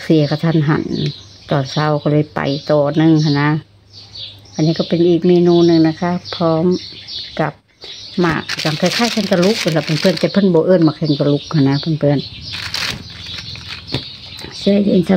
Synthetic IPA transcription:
si˧˨ə˨kʰa˧˩t̪ʰa˧˨nɦa̰˧˩˨n | t̪ɔː˨˩nsa˧˨wkɔ˧lɯː˧˥˨jpa̰˨jt̪ɔː˧˩nɯ˧˨ŋkʰa˧˨nːa˧˥ | ʔa˧˨nːiː˧˥˨kɔː˧˩pe˨nʔiː˨˩k̚miː˧˨nuː˧˨nɯ˧˨ŋna˧kʰa˧˥pʰɔː˧˥mka˧˦p̚ma̰ː˧˩kːa˧˩t͡ɕa˧ŋkʰaː˧˨kʰaː˧˨jkʰa˧˥nt̪̬a˧lu˧˦˥k̚la˧˩pe˧˨npʰɯ˧ə˨nt̪ɛː˧˩pʰɤ˧˥˨nbɔː˧˦ʔɤː˧˩˨nmaː˧˩kʰe˧˨nt̪a˧lu˧˥k̚hʰa˧˨nːa˧pʰa˧˨npʰɯ˧˨ən | sɯ˧˩˧jde˧˩˨nsa˧

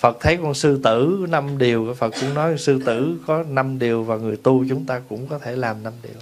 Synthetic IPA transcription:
fə˨˩t̚t̪ʰə˨˦jkɔ˧nsɨ˧t̪ɨ̰˧˥na˧mɗi˨˩əwka˨˧˩fə˨˩t̚kʊ̰˧˥wŋ͡mnɔ˨˦jsɨ˧t̪ɨ̰˧˩kɔ˨˦na˧mɗi˨˩əwvaː˨˩ŋɨ˨˩əjt̪u˧t͡ɕʊ˨˦ŋ͡mt̪aː˧kʊ̰˧˥ŋ͡mkɔ˨˦t̪ʰe˧˩laː˨˩mna˧mɗi˨˩əw

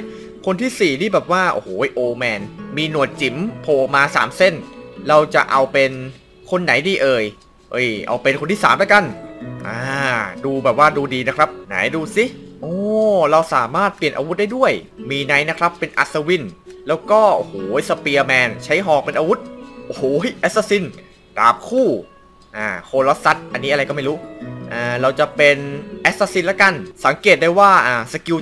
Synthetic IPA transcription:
kʰo˧nt̪ʰiː˥˩siː˨˩niː˥˩bɛː˨˩p̚waː˥˩ʔo̰ː˧hoː˩˦jʔoː˧mɛː˧nmiː˧nu˨˩ət̪̚t͡ɕi˩˦mpʰoː˨˧˩maː˧sa̰ː˩˦mse˥˩nɾa˧wt͡ɕa̰˨˩ʔa˧wpe˧n | kʰo˧nːa˨˩˦jdiː˧ʔɤː˧j | ʔɤ˧˩jʔa̰˧wpe˧nkʰo˧nt̪ʰiː˥˩saː˩˦mla˦˥ka˧nʔaː˧˩duː˧bɛː˨˩p̚waː˥˩duː˧diː˧na˦˥kʰɾa˦˥p̚na̰˩˦jduː˧si˦˩ʔɔː˧˩˦ɾa˧wsa̰ː˩˦maː˥˩t̪̚pli˨˩ənʔaː˧w̪̚daː˥˩jdu˥˩əj | miː˧na˦˥jna˦˥kʰɾa˦˥pːe˧nʔa̰˨˧t̪̚sa˧wi˧˩nlɛː˦˥wkɔː˥˩ʔo̰˧˩hoː˩˦jsa˧pi˧əmɛː˧nt͡ɕʰa˦˥jɦɔː˨˩k̚pe˧nʔaː˧wu˦˥t̪̚ʔo˧hoː˩˦jʔɛ˦˥t̪̚saː˧si˧n | d̥aː˨˩p̚kʰuː˥˩ | ʔaː˧˩kʰoː˧lo˦˥t̪̚sa˦˥t̪̚ʔa˧nːiː˦˥a˧ɾa˧jkɔː˥˩ma˥˩jɾuː˦˥ʔaː˧˩ɾa˧wt͡ɕa˨˩ʔpe˧nʔɛ˦˥saː˧si˧nlaː˦˥ka˧nsa˨˩˦ŋkeː˨˩t̪̚daː˥˩jwaː˥˩ʔaː˧˩sa˧ki˧w

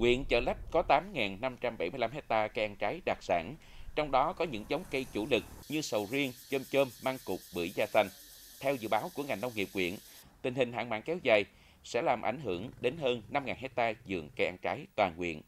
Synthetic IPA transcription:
ŋwḭ˧˨ənt͡ɕəː˧˩lɛ˦˥p̚kɔ˨˦t̪aː˨˦mŋaː˨˩nna˧mt͡ɕa˧mɓə˧˩jmɨ˧jla˧mɦe˦˥k̚t̪aː˧kə˧jʔa˧nt͡ɕaː˨˦jɗaː˨˩k̚sa̰ː˧˩n | t͡ɕɔ˧wŋ͡mɗɔ˨˦kɔ˨˦ɲɨ̰˧˥ŋzə˨˦wŋ͡mkə˧jt͡ɕṵ˧˩lɨ˨˩k̚ɲɨ˧sə˨˩wzi˧əŋt͡ɕəː˧mt͡ɕəː˧mːaː˧ŋkʊ˨˩k͡p̚ɓɨ̰˧˩zaː˧sa˧jŋ̟ | t̪ʰɛ˧wzɨ̰˧˨ɓaː˨˦wku˧˩əŋa˨˩jŋnə˧wŋ͡mŋi˨˩p̚ŋwḭ˧˨ən | t̪ï˨˩ŋ̟ɦï˨˩ŋ̟ɦa̰ː˧˨ŋma̰ː˧˨nkɛ˨˧wzaː˨˩j | sɛ̰˧˥laː˨˩mʔa̰˧˩jŋ̟ɦɨ˧˩əŋɗe˨˦nɦəː˧nːa˧mŋaː˨˩nhe˦˥k̚t̪aː˧zɨ̰˨˩əŋka˧jʔa˧nt͡ɕaː˨˦jt̪waː˨˩nŋwḭ˧˨ən

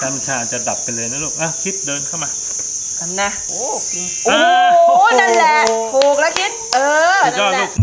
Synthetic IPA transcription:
ka˧m˧˩sʰaː˨˩˦t͡ɕa˨˩da˨˩p̚ːa˧jlɤː˧jnaː˦˥loː˧˩k̚ʔa˧˩kʰi˦˥t̪̚dəː˧nkʰa˥˩wmaː˧ | ka˧˩nːa˦˧˥ʔoː˧˩ | kʰi˧ʔoː˧˩˧na˧˥˨nlɛ˧˩t̪ʰoː˨˩k̚lɛː˦˥kʰi˦˥t̪̚ʔɤː˧naɔ˧˩˧

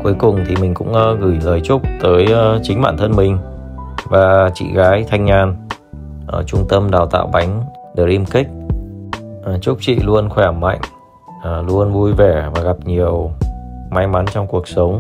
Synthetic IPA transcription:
ku˨˦əjkʊ˨˩ŋ͡mt̪ʰi˨˩mï˨˩ŋ̟kʊ̰˧˥ŋ͡mʔːɣɨ˧˩jləː˨˩jt͡ɕʊ˦˥k͡p̚t̪əː˨˦jt͡ɕï˨˦ŋ̟ɓa̰ː˧˨nt̪ʰə˧nmï˨˩ŋ̟vaː˨˩t͡ɕḭ˧˨ɣaː˨˦jt̪ʰa˧jŋ̟ːaː˧n | ʔə˧˩t͡ɕʊ˧ŋ͡mt̪ə˧mɗaː˨˩wt̪a̰ː˧˨wɓa˨˦jŋ̟ | ɗə˨˧˩k̚ʔi˧mkï˦˥k̟̚ | ʔt͡ɕʊ˦˥k͡p̚t͡ɕḭ˧˨lu˧ənxwɛ˧˩ə˨˩mːa̰˧˨jŋ̟ː˨˩ | lu˧ənvu˧jvɛ˧˩vaː˨˩ɣa˨˩p̚ɲi˨˩əwma˧jma˨˦nt͡ɕɔ˧wŋ͡mku˨˩ək̚sə˨˦wŋ͡m

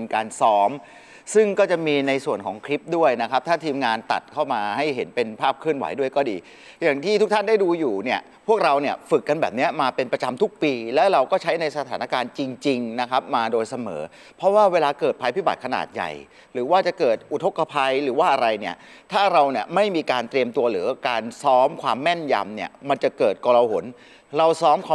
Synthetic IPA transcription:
nkaː˧nsɔː˦˥m | sɯ˥˩ŋkɔː˥˩t͡ɕa˨˩miː˧na˧jsu˨˩ənkʰɔː˨˩˦ŋkʰɾi˦˥p̚du˥˩əjna˦˥kʰa˦˥p̚t̪ʰaː˥˩t̪ʰiː˧mŋaː˧nt̪a̰˨˩t̪̚kʰa˥˩wmaː˧ha˥˩jɦe˩˦npe˧npʰaː˥˩p̚kʰɯ˥˩ənwa̰˩˦jdu˥˩əjkɔː˥˩diː˧ | jaː˨˩ŋt̪ʰiː˥˩t̪ʰu˦˥k̚t̪ʰnda˥˩jduː˧juː˨˩ni˥˩ɐ | pʰu˥˩k̚ɾa˧wni˥˩əfɯ˨˩kːa˧nbɛː˨˩p̚ni˦˥ɐmaː˧pe˧npɾa˧t͡ɕa˧mt̪ʰu˦˥k̚piː˧lɛː˦˥wɾa˧wkɔː˥˩t͡ɕʰa˦˥jna˧jsa˧t̪ʰaː˩˦na˦˥kaː˧nt͡ɕi˧ŋt͡ɕi˧ŋna˦˥kʰa˦˥p̚maː˧doː˧jsa˧mɤ̰ː˩˦ | pʰɾɔ˦˥waː˥˩weː˧laː˧kɤː˨˩t̪̚pʰaː˧jpʰiː˦˥˩ba̰˨˩t̪̚kʰa˧na̰ː˨˩t̪̚ja̰˨˩j | ɾɯː˩˦waː˥˩t͡ɕa˨˩kɤː˨˩t̪̚ʔu˨˩t̪ʰo˦˥kːa˧pʰa˧jɾɯː˩˦waː˥˩ʔa˧ɾa˧jni˥˩ə | t̪ʰaː˥˩ɾa˧wni˥˩ɐma˥˩jmiː˧kaː˧nt̪ɾi˧əmt̪u˧ɐɾɯː˩˦kaː˧nsɔː˦˥mkʰwaː˧mːɛ˥˩nja̰˧mni˥˩ɐma˧nt͡ɕa˨˩kɤː˨˩t̪̚kɔː˧ɾa˧ho̰˩˦n | ɾa˧wsɔː˦˥mkʰː

